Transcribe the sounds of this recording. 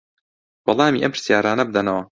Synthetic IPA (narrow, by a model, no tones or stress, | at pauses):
bɑlˠɑːmḭːʔɐmpɨ̥ɾ̥sjaːɾaːnɐbɨd̪ɐnɐwɐ